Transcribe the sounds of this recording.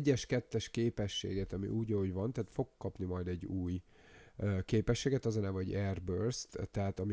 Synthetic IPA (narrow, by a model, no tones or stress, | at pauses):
ɟːɛʃkɛt̪ːɛʃkeːpɛʃːḛːɡɛt̪ɒmḭʔuːɟɒoɟvɒnt̪ɛaːt̪fo̞kkːɒpnimɒjd̪ɛɟːuːj | keːpɛʃːeːɡɛt̪ɒzɒnaːvɒoɟɛrbørst̪t̪ːɛɦaːt̪ɒmi